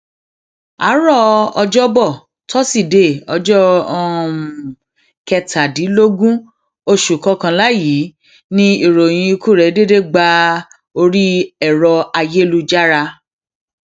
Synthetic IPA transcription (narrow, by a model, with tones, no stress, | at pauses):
a̰˨˦ɾɔ˦˨ɔ˧d͡ʒɔ˦bɔ˦˨ | tɔ˦si˦˨de˦˨ɔ˧d͡ʒɔ˦ɔ˦˧˨ | kɛ˧tʰa˨di˨˦lo˦ɡũ˦ | o˧ʃu˨kɔ˨˧˦kã˧la˦ji˨˦ | nĩ˦i˨ɾo˨j̃ĩ˧ku˦˨ɾɛ˨˦de˦de˦˨ɡ͡ba˧ | o˧ɾi˦ɛ˦˨ɾɔ˧a˧je˦lu˦d͡ʒa˦ɾa˧